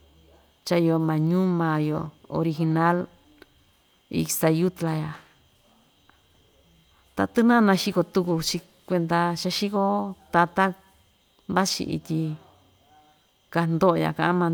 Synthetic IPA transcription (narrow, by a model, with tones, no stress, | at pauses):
t͡ʃa˧i˧o˧mã˨ɲũ˦mã˨jo˨o̰˧ɾi˧xi˧nã˦l | ḭ˧sa˧ju˦t̪la˧ja˨ | t̪a̰˧t̪ɨ˦nã˦˧nã˧ʃi˧ko˧t̪u˧ku˧t͡ʃi˧ | kʷe˧nd̪a˧ʃa˧ʃi˦ko˦t̪a˧t̪a˦ | mba˦t͡ʃḭ˧ʔḭ˧t̪ʲi˧ | ka˧nd̪o˦˧ja̰˨kã˧ʔmã˧